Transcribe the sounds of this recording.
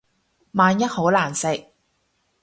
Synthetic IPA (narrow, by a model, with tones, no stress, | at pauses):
maː˧njɐ˥t̚ho˨˥wlaː˨˩nsɪ˨k̚